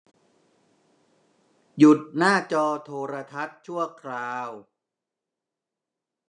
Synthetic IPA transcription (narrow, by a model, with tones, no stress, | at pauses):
ju˨˩t̪̚naː˥˩t͡ɕɔː˧t̪ʰoː˧ɾa˧t̪ʰa˦˥t̪̚t͡ɕʰu˥˩əkʰɾaː˧w